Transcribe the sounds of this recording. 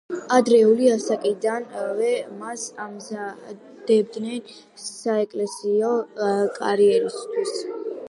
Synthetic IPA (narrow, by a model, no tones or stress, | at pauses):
ad̪ɾɛuliasakʼid̪anvɛmasamza | d̪̥ɛbd̪nɛn | saɛkʼlɛsiɔkʼa̰ɾiɛɾist̪ʰwis